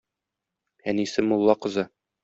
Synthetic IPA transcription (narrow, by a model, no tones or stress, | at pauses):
ænisɘmulˠːɑqɤ̆zɑ